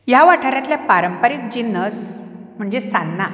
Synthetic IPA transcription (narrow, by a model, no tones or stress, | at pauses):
jaʋaʈʰaɾjãt̪ljapaɾəmpəɾik̚d͡ʑinəs | m̤əɳd͡zesanːa